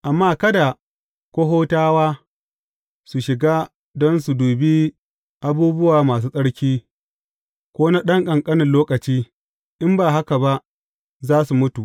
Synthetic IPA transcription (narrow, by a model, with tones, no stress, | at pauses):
ʔa˨mːaː˦kɐ˦da˨ | kʷo˦ɦoː˦taː˦waː˦ | su˨ʃɪ˨ɡaː˦ | dɔ˦nsu˨duː˨bi˦ | ʔa˦buː˦bʊ˦waː˨maː˨s̬uː˦sʼɐ˦ɽkʲiː˦ | kʷoː˦na˦ɗɐ˦ŋkʼɐ˨ŋkʼɐ˦nɪ˨nloː˦kɐ˨t͡ʃiː˦ | ʔɪ˦mbaː˨ɦa˦ka˨ba˦ʔ | zaː˦su˨mʊ˦tu˨ʔ